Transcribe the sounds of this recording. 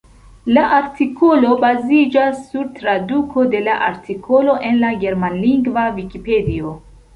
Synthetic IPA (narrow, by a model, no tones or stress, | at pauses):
laʔaɾtikʰo̞lo̞bazid͡ʒasːuɾtɾadukʰo̞de̞laʔaɾtikʰo̞lo̞ʔe̞nlaɡe̞ɾmanliŋɡvavikipe̞dio̞